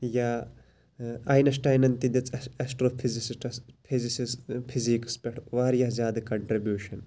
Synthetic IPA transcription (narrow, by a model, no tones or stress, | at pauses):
jaː | ɐːjnɐs̬ʈɐːjnɐnt̪id̪ɐt͡sʰʼɐsʈɾopʰizisiʈspʰizisispʰiziːkspʲeʈʰʋaːɾjɐːzjaːd̪ɨkɐɳʈɾibjuːʃɐn